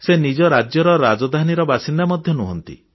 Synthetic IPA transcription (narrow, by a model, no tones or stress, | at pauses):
senid͡ʒɔɾad͡ʒjɔɾɔɾad͡ʒɔd̪ʱaniɾɔbasind̪amɔd̪ʱjɔnuɦɔnt̪ḭ